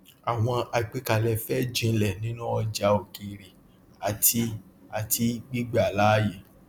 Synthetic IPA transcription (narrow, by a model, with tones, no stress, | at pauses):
a˨w̃ɔ̃˧a˧i˨k͡pe˦ka˨lɛ˧˨fɛ˦d͡ʒĩ˧˦lɛ˦˨nĩ˨˦nũ˦ɔ˧d͡ʒa˧˦o˨ki˧ɾe˨ | a˨ti˦a˨tʰi˦ɡ͡bi˦ɡ͡ba˦˨la˦je˨